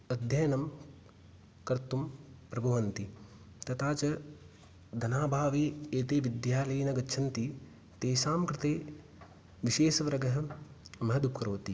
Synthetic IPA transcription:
ɐd̪ʱjɐjɐnɐm | kɐɾt̪umpɾɐbʱɐʋɐnt̪i | t̪ɐt̪aːt͡ʃɐ | d̪ʱɐnaːbʱaːʋeːeːt̪eːʋid̪jaːlɐjɐnɐɡɐtːt͡ʃʰɐnt̪i | t̪eːʃaːmkɾɪt̪eː | ʋiʃeːʃɐʋɾɐɡɐɦɐmɐɦɐd̪up̚kɐɾoːt̪i

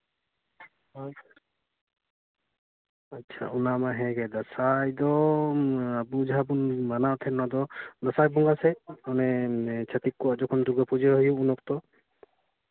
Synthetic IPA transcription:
atːt͡ʃʰa̰unamaɦɛ̃ɡɛd̪asajd̪ɔ | abud͡ʒɦabunmanaɔt̪ʰɛnɔd̪ɔd̪ɔsajbɔŋɡasɛanɛt͡ʃʰat̪ikːɔad͡ʒɔkʰɔnd̪uɡɔpud͡ʒeɦɔjuunɔk̚t̪ɔ

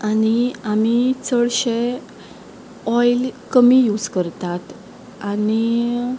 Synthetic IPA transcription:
añiamit͡səɭɕe | ɔjlkəmiːjud͡zkəɾt̪at̪ | ani

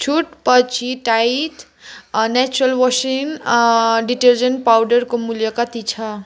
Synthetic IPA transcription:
t͡ʃʰuʈpʌt͡sʰiʈajiʈ | nɛt͡ʃuɾʌlwɔsin | ɖiʈeɾd͡zʌnʈpawɖʌɾkomuljʌkʌt̪it͡sʰʌ

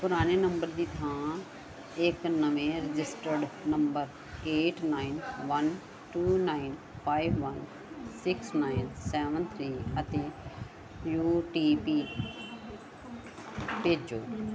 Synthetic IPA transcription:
pʊɾaːneːnəmbəɾd̪iːt̪ʰãː | ɪknəʋẽːɾɪd͡ʒɪsʈəɾɖnəmbəɾ | eːʈʰnaːinʋən | ʈuːnaːɪn | pʰaːibʋən | sɪksnaːɪnsɛːʋənt̪ʰɾiːət̪eː | juːʈiːpiː | peːd͡ʒoː

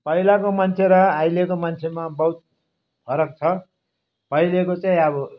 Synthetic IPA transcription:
pʌilakomant͡sʰeɾʌajlekomant͡sʰemabʌɦut̪̚ | pʰʌɾʌk̚t͡sʰʌ | pʌilekot͡saĩʌbʌ

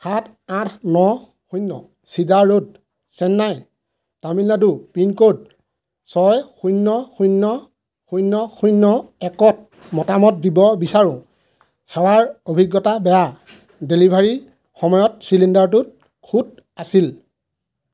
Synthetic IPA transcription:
hat | ãtʰnɔ | xujnːɔ | sidaɹːod̚ | sɛnːaj | taminːadupinkod̚ | sɔjxujnːɔxujnːɔ | xujnːɔxujnːɔɛkɔt̚ | mɔtamɔt̚dibɔbisaɹʊ̃ | xɛwaɹobʱiɡːɔtabɛja | delibʱaɹi | xɔmɔjɔt̚silindaɹtut̚ | kʰut̚ | asil

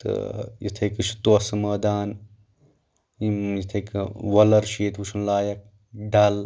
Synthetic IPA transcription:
t̪ɨ̰jḭt̪ʰɐkɨʃʰu̥t̪osɐmɐːd̪aːn | imjit̪ʰɐkʋɐlɐɾʃiːt̪ʰwuʃʰunlaːjɐk̚ | ɖɐl

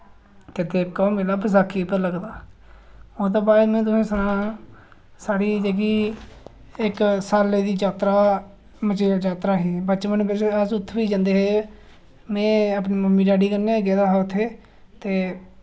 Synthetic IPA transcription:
t̪eːd̪eːbkaːmɪlaːpʰəs̬aːkʰːiːpəɾləɡd̪aː | oːt̪̬ãːbaːd̪mɛ̃ːt̪ʊsẽːsənãː | saːɽiːd͡ʒəɡiː | ɪksaːleːd̪iːd͡ʒaːt̪ɾaː | mət͡ʃeːd͡ʒaːt̪ɾaːɦiːbətːt͡ʃmənːbɪəsʊt̪ʰːʋiːd͡ʒãːnd̪eːɦeː | mɛ̃ːəpneːməmːiːɖaːɖiːkəɾneːɡɛːd̪aːɦaːʊt̪ʰːeː | t̪eː

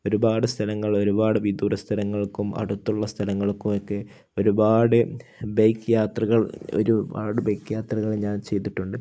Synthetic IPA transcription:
o̞ɾubaːɽɨst̪ʰɐlɐŋːɐɭo̞ɾubaːɽɨʋid̪uːrɐst̪ʰɐlɐŋːɐɭkːumʔɐ̰ɽut̪ːuɭːɐst̪ʰɐlɐŋːɐɭkːumokːe | o̞ɾubaːɽɨbejkːjaːt̪rɐɣɐɭo̞̰ɾubaːɽɨbejkːjaːt̪rɐɣɐɭeɲaːnt͡ɕe̞jt̪iʈːuɳɖɨ

